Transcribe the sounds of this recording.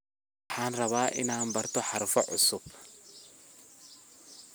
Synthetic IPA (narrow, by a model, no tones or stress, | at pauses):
wħɑːnrɐβaːʔɪ̰naːnbɐrt̪ʰɔħɑɾʊfɔʕʊsʊb̚